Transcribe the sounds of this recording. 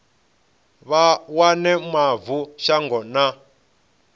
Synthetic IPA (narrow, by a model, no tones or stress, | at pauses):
βawanɛmavuʃaŋɡɔna